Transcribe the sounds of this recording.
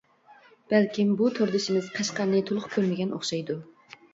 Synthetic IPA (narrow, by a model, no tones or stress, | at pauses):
b̥ælkʲimbut̪ʰoɾd̪ɪʃimɪzqʰɑʃqɑɾnɨt̪ʰolˠʊχkʲʰøɾmɪɡʲɛno̰χʃɑjd̪u